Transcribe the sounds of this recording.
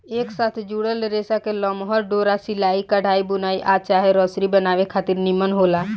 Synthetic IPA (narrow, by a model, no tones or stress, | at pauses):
eːksaːt̪ʰd͡ʒuɽəlɾeːsakelɔːmɦɔɾɖoːɾasɪlaːikəɽ̤ʱaːibʊnaːiʔaːt͡ʃaːɦeɾɔːsɾibənaːʋekʰaːt̪ɪɾnimənɦoːlaː